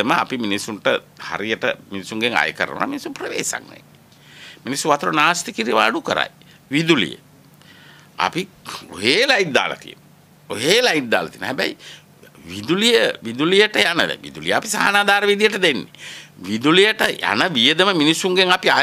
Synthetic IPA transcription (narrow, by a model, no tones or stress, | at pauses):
əməa̰piminisːunʈəha̰ɾijəʈəminisːuŋɡeŋa̰jəkəɾə̰n̰na̰minisuprəʋḛːsa̰ŋnḛ | minisːuʋat̪uɾonaːst̪ikiɾiʋa̰ːɖukəɾa̰j | ʋid̪ulḭjə̰ | a̰pi | o̰ɦeːlajiʈ̚d̪a̰ːla̰t̪ḭjə̰no | oɦeːlaiʈ̪̚d̪a̰ːlat̪iənɦæbɛ̰j | ʋid̪ulijəʋid̪ulijəʈəjanəd̪̰ʋḭd̪ulijəapisa̰ɦanaːd̪aːɾəʋid̪ijəʈəd̪enːeʋid̪ulijəʈəja̰nəʋijəd̪əməminisːuŋɡeŋapia